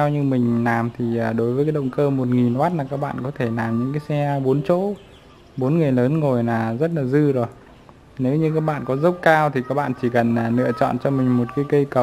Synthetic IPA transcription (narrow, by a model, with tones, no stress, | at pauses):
ɛ˧wɲɨ˧mï˨˩ŋ̟laː˨˩mt̪ʰi˨˩aː˨˩ɗo˨˦jvəː˨˦kaː˨˦jɗə̰˧˨wŋ͡mkəː˧mo˨˩t̚ŋi˨˩nhwaː˦˥t̚laː˨˩kaː˦˥k̚ɓa̰ː˧˨nkɔ˨˦t̪ʰe˧˩laː˨˩mɲɨ̰˧˥ŋkaː˨˦jsɛ˧ɓo˨˦nt͡ɕo̰˧˥ | ɓo˨˦nŋɨ˨˩əjləː˨˦nŋo˨˩jnaː˨˩zə˦˥t̚laː˨˩zɨ˧zo˨˩j | ne˨˦wɲɨ˧kaː˦˥k̚ɓa̰ː˧˨nkɔ˨˦zə˦˥wk͡p̚kaː˧wt̪ʰi˨˩kaː˦˥k̚ɓa̰ː˧˨nt͡ɕi˧˩kə˨˩naː˨˩lɨ̰˧˨ət͡ɕɔ̰˧˨nt͡ɕɔ˧mï˨˩ŋ̟mo˨˩t̚kaː˨˦jkə˧jkə˨˩w